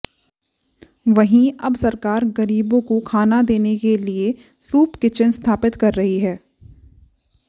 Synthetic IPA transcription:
ʋɐɦĩɐbsɐɾkaːɾɡɐɾiːbõkokʰaːnad̪eːnekelie | suːpkɪt͡ʃənst̪ʰaːpɪt̪kɐɾːɐɦiɦɛː

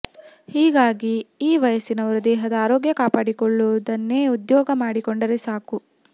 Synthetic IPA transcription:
hiːɡaːɡiiːʋɐjɐsinɐʋɐɾud̪ɛːɦɐd̪ɐaːɾɔːɡjɐkaːpaːɽikɔɭːuʋɐd̪ɐnːeːud̪jɔːɡɐmaːɽikɔɳɖɐɾesaːku

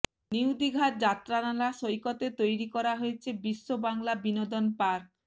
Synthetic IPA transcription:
niud̪iɡʱat̪̚d͡ʑat̪ːɾanalaʃojkot̪et̪ojɾikɔɾaɦojet͡ɕʰebiʃːobaŋlabinod̪onpaɾ

